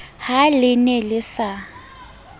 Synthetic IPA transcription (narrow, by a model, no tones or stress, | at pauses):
halɪnɛlɪsa